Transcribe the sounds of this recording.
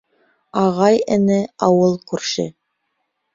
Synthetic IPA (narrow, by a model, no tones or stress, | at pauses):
ɑʁɑjɘ̆nɘɑwɤlˠkʉɾʃɘ̰